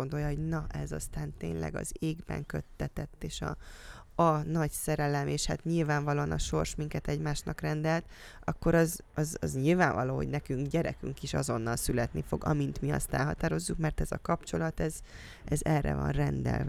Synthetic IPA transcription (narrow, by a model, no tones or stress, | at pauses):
ond̪ojɒɦo̞ɟnɒʔɛzɒ̰st̪aːnt̪ḛːnlɛ̰ɡɒ̰zeːɡbɛ̰ŋkø̞t̪ːɛt̪ɛt̪ːeːʃɒ̰ | ɒnɒɟsɛɾɛlɛmeːʃhat̪ɲilvaːɱvɒloːɒnɒʃo̞rʃmiŋkɛt̪ɛɟmaːʃnɒkrɛnd̪ɛlt̪ | ɒkːo̞ɾɒzɒzɒzɲilvaːɱvɒloːɦo̞̰ɟnɛkyŋkɟɛɾɛkyŋkiʃɒzo̞nːɒlsylɛt̪nifo̞ɡɒmint̪miɒ̰st̪ɛlɦɒt̪aːɾo̞zːukmɛrt̪ɛzɒkɒpt͡ʃo̞lɒt̪ɛz | ɛzɛrːʔɛ̰vɒ̰nrɛnd̪ɛ̰lv